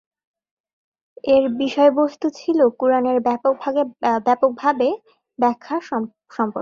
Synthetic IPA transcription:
eɾbiʃɔebost̪ʰut͡ɕʰilokuɾaneɾbok̚bʱaebɛpok̚bʱabe | bɛkʰːa | ʃɔmpoɾ

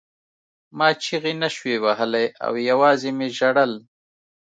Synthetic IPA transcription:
mɑːt͡ʃʰiɣinaʃwewaɦalaja̰wjawɑːzemeʒaɽəl

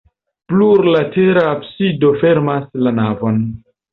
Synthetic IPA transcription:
pluɾlate̞ɾaːpsido̞fe̞ɾmaslanavo̞n

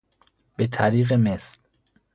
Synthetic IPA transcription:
b̥et̪ʰæɾiːɣemesl

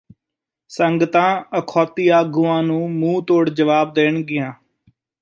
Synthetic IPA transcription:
səŋɡət̪ãːəkʰɔːt̪iːaːɡuːãːnũːmũːt̪oːɽd͡ʒəʋaːb̚d̪eːɳɡɪjãː

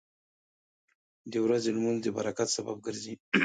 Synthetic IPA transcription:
d̪ewɾazelmunzd̪əba̰ɾakat̪saba̰b̚ɡəɾzi

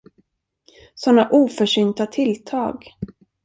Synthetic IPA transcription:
sɔnːaʔuːfœʂʏnt̪at̪ʰɪlt̪ʰɑːɡ

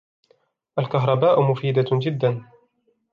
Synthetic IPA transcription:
ʔalkaɦɾˤɑbaːʔʊmʊfiːd̪ad͡ʒɪd̪ːan

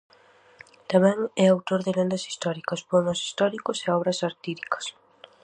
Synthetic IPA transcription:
t̪amɛ̃ŋɛawt̪oɾðɪlend̪ɐsi̥st̪ɔɾikɐspomosi̥st̪ɔɾikʊseɔβɾɐsaɾt̪iɾikɐ̥s

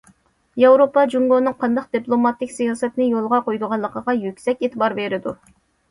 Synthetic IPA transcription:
jɑwɾopɑd͡ʒuŋɡonɨŋqʰɑnd̪ɑqd̪̥ɨplˠomɑt̪ːɪkʲsijɑːsɛt̪nɪjolˠʁɑqojd̪ʊʁɑnlˠːəqʰəʁɑjykʲsɛkʲet̪ʰɨbɑɾbeɾɪd̪u

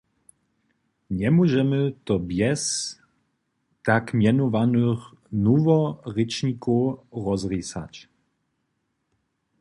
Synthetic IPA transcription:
ɲɛmuʒɛmɨt̪ɔbjɛs | t̪akmʲjɛnɔvanɨx | nuvɔrɛt͡ʂɲikuɾɔzrisa̰t͡ɕ

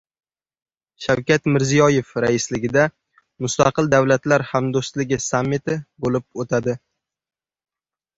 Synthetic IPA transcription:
ʃawkʲat̪mɪɾzijɒjefɾaɪslɪɡʲɪd̪a | mʊst̪ʰaqɨlˠd̪awlat̪laɾhamd̪ost̪lɪɡʲɪsamːɪt̪ʰɪbolɪp̚ot̪ʰad̪ɪ

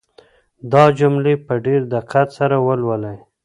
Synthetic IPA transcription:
d̪ɑd͡ʒʊmlepəɖeɾd̪ɪqʰat̪saɾawəlwəlaj

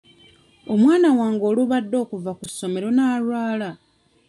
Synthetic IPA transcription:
o̞mwaːnawaːŋɡo̞ːluβadːo̞ːkuvakusːo̞me̞ɾo̞naːlwaːla

